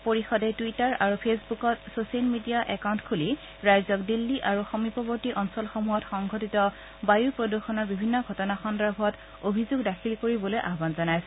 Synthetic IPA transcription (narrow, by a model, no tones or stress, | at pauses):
poɹixɔdɛtuitaɹaɹupʰesbukɔtsosialmidiaʔɛkawntkʰuli | ɹajzɔkdilːiʔaɹuxɔmipɔbɔɹtiʔɔnsɔlxɔmuɦɔtxɔŋɡʱɔtitɔ | bajuɹpɹoduxɔnɔɹbibʱinːɔɡʱɔtɔnaxɔndabʱɔt | obʱizoɡdakʰilkoɹibɔlojʔaɦbanzɔnajsɛ